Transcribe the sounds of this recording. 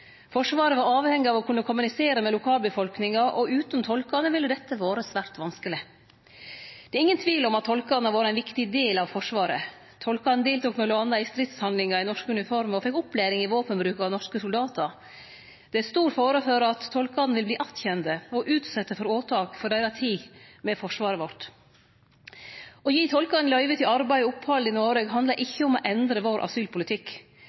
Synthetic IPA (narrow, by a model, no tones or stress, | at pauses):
fɔʂʋɑːɾəʋɑɾɑːʋhɛŋːɪɑːʋɔkʰʉnːəkʰʊmʉnɪseːɾəmɛlʊkʰɑːlbəfɔlknɪŋɑʔɔʉːt̪nt̪ʰɔlkɑnəʋɪlːəd̪ɛt̪ʰːəʋoːɾəsʋæːɾt̪ʋɑnskəlɪ | d̪̥ɛɾɪŋːənt̪ʰʋiːlɔmɑt̪ʰːɔlkɑnəʋɑːɾəæɛnʋɪkt̪ɪd̪eːlɑʋfɔʂʋɑːɾə̰ | t̪ʰɔlkɑnd̪eːlt̪uːknɛːləɑnɑɪst̪ɾɪt̪shɑnd̪lɪŋɑɪnɔʂkəʉnɪfɔɾmɔfɛkʊpːlæːɾɪŋɪʋoːpənbɾʉːkɑʋnɔʂkəsʊld̪ɑːt̪əɾ | d̪̥ɛæɾst̪uːɾfoːɾəføːɾəɑt̪ʰːɔlkɑd̪n̩ʋɪlbliːʔɑt̪çɛnd̪əɔʔʉːt̪sɛt̪ːəfɔɾoːt̪ʰɑːkfɔɖæɪɾɑt̪ʰiːmɛfɔʂʋɑːɾəʋɔʈ | ɔjiːt̪ʰɔlkɑd̪n̩lœʏʋət̪ɪɑɾbæɪʊpːhɑld̪ɪnoːɾeɡɦɑnd̪lɑʔɪçːəɔmɔ̰ʔɛnd̪ɾəʋoːɾʔɑ̰syːlpʰʊlɪt̪ʰɪkː